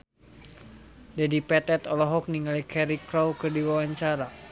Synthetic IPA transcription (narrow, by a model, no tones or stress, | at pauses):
dadipɛt̪ɛt̪ɔlɔɦɔk̚niŋalikɛɾikɾɔwkɨrdiwawaɲt͡ʃaɾa